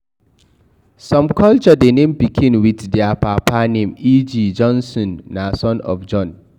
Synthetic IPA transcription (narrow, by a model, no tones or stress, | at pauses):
sɔ̃mkʰɔlt͡ʃɔdenẽmbikʰĩnwitdɪapʰapanẽmid͡ʒid͡ʒɔ̃nsɔ̃nːasɔ̃nɔ̰fd͡ʒɔ̃n